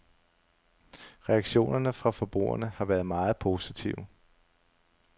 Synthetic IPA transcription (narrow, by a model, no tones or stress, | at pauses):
ʁɛɑ̈ɡ̥ɕo̝̰ːnɐnəfʁɑ̈fɒ̽b̥ʁṵːɐ̰nəhɑ̈ʋæɐð̞ˠmɑ̈ːð̞̩ˠpʰo̝ːsit͡sʰiʊ